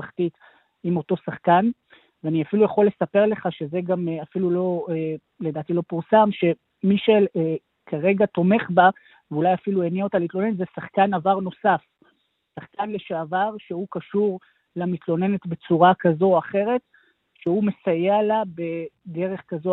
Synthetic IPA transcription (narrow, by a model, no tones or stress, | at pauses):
aχt̪it̪ | imo̞to̞saχkan | veaniafilujaχo̞lːe̞sape̞ʁle̞χaʃe̞zeɡameafilulo̞e | le̞daːt̪ilo̞puʁsamʃe̞ | miʃe | kʰaʁe̞ɡat̪o̞me̞χba | veulajafilueniaot̪alitlo̞nenetzesaχkanavaʁno̞saf | saχkanleʃaːvaʁʃe̞hukaʃuʁ | lamit̪lo̞ne̞netbe̞t͡suʁakazo̞aχe̞ʁe̞t̪ | ʃehume̞sajealabe̞de̞ʁe̞χkazo